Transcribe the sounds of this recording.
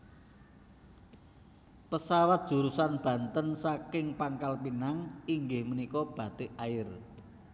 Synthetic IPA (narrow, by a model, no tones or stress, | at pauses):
pəsawat̪̚dʒ̥ṳɾusanb̥ä̤nt̪ənsakɪŋpaŋkalpinaŋiŋɡɪhmənikɔb̥ä̤t̪eʔaɪr